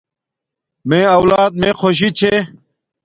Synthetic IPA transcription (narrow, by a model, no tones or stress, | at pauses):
mẽːɐwlaːd̪̚mẽːxʰoːɕ̬it͡ɕʰeː